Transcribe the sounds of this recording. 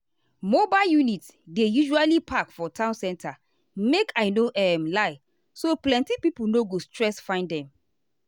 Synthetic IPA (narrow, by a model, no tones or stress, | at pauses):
mobaljunit | dejuʒualipʰakfɔtʰãʊ̃nsɛ̃ntʰa | mekʰaɪnoʔɛmlaɪ | soplɛ̃ntipipulnoɡostɹɛsfãɪ̃ndɛ̃m